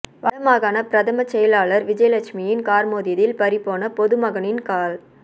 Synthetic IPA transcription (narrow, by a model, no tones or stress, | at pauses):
ʋɐɻɐmaːɣaːnɐpɪɾɐt̪ʰɐmɐt͡ʃɛjɐlaːɭɐɾʋɪd͡ʒɐjɐlɐkʂmɪjɪnkaːɾmoːðɪjɐðɪlpɐɾɪpːoːnɐpɔðɯmɐɣɐɳɪnkaːl